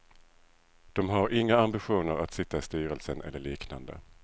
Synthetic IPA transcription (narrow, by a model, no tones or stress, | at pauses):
d̪̥ɔmɦaɾɪŋːaambɪɧuːnəɾat̪sɪt̪ːaɪst̪yːɾəlsənʔɛ̰lːəɭiːkna̰nd̪ə̰